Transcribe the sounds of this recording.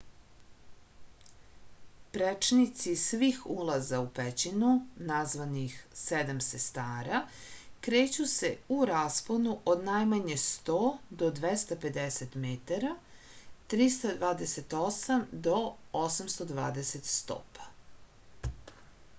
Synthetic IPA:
pɾet͡ʂnit̪sisʋixulˠazaupet͡ɕinunazʋanixsed̪amsest̪aːɾakɾeːt͡ɕuse̞uɾaːsponuʔod̪najmaɲe̞st̪oːd̪o̞d̪ʋest̪ape̞d̪eset̪met̪aɾa | t̪ɾist̪ad̪ʋaːd̪eset̪osamd̪o̞osamst̪o̞d̪ʋa̰ːd̪eset̪st̪o̰pḁ

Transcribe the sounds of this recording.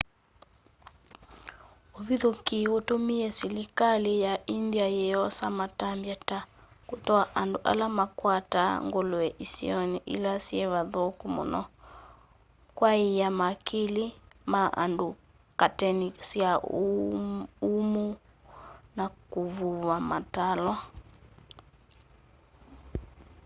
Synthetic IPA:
oβiðokiotomiɛsilikalejaindiajɛɔsamatambjatakotɔaʔandoʔa̰lamakwataŋɡoloɛʔisḭɔniʔḭlasiɛβaðokumo̰nɔ̰ | kwaijamakʰilimaʔa̰ndu | katɛnisia | umu | nakuvuvamatalɔ

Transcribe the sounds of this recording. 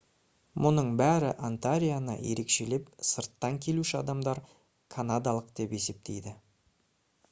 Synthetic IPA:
mʔʊnəɴbæɾɪʔant̪aɾʲijanə̰je̞ɾe̞kʃe̞le̞psəɾt̪ːɑŋkʲʰe̞luʃɪɑ̰d̪ɑmd̪ɑɾ | kʰanad̪alˠəqd̪e̞pe̞se̞p̚t̪ʰe̞̰jd̪ɪ

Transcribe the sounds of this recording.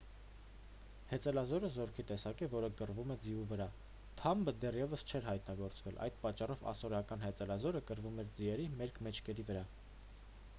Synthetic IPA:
hɛt͡sɛlɑzɔɾəzɔɾkʰit̪ɛsɑkɛvɔɾəkərvumɛd͡zivuvəɾɑ | t̪ʰɑmbəd̪ɛrjɛvəst͡ʃʰɛɾɦɑjt̪nɑɡɔɾt͡svɛlʔɑ̰jd̪̥pɑt͡ʃːɑrɔvɑ̰sɔɾɑkɑnhɛt͡sɛlɑzɔɾəkəɾvumɛɾd͡ziɛɾimɛɾkʰmɛt͡ʃʰkɛɾivəɾɑ

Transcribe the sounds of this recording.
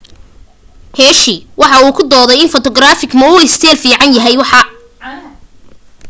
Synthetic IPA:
hɛːʃɪwɑħɑuːkʰʊd̪ɔːðɛjɪnfɔt̪ʰɔɡɾaːfɪɡmɐʊɪst̪ʰɛːlfiːʕɑnjɐɦɛjwɑħɑ

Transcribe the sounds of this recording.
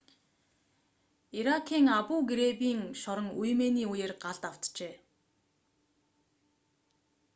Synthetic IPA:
iɾakʰiːŋapuːɡɾepiːŋʃɔɾə̆ŋujmeniːujeːrɢaɮt̪aw̥t̪t͡ɕeː

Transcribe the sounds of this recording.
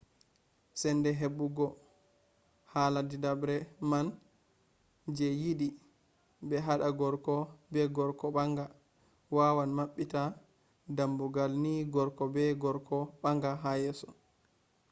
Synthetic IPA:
sɛndɛɦebuɡɔ | haːladidabɾɛman | d͡ʒɛjiɗi | bɛɦaɗaɡɔɾkɔbɛɡɔɾkɔɓaŋɡa | wawanmaɓːita | dambuɡalniɡɔɾkɔbɛɡɔɾkʰɔɓaŋɡaɦajɛsɔ

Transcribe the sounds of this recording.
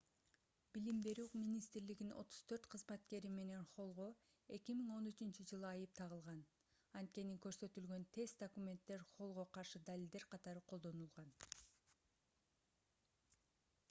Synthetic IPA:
bilimbe̞ɾyminʲist̪ɾliɡino̞̰t̪ʰu̥z̥t̪ʰø̞ɾt̪qʰɯzmɑt̪ke̞ɾime̞ne̞nχo̞lˠʁo̞ | e̞kʲimiŋo̞nyt͡ʃynt͡ʃyd͡ʒɯlˠɯɑjɯp̚t̪ʰɑʁɯlˠʁɑn | ɑnt̪̚ke̞nikø̞ɾsø̞t̪ylɡø̞nt̪ʰe̞st̪d̪okumʲe̞nt̪ːe̞ɾχo̞lˠʁo̞qʰɑɾʃɯd̪alʲild̪e̞ɾqʰɑt̪ɑɾɯqʰolˠd̪o̞nulˠʁɑn

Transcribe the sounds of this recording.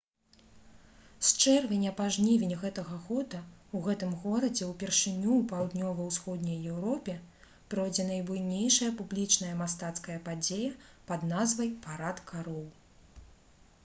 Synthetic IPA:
st͡ʂɛrvʲɛnʲɐpaʐnʲivʲenʲɣɛt̪ɐɣɐɣɔd̪ɐuɣɛt̪ɨmɣɔɾɐd͡zʲɛwpʲɛrʂɨnʲuːpawd̪nʲɔvɐwsxɔd̪nʲɐjːɛwɾɔpʲɛ | pɾɔjd͡zʲɛnɐjbujnʲejʂɐjɐpublʲit͡ʂnɐjɐmast̪at̪skɐjɐpad͡zʲejɐpɐd̪nazvɐjpaɾat̪kʰaɾɔw

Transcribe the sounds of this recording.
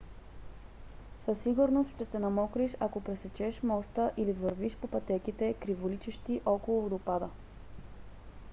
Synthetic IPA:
səsːiɡʊɾnost̪ʃt̪ɛsɛnɐmɔkɾiʃakopɾɛsɛt͡ʃɛʃmɔst̪əʔilivəɾviʃpopɐt̪ɛkit̪ɛkɾivolit͡ʃɛʃt̪iʔɔkolˠd̪opad̪ə

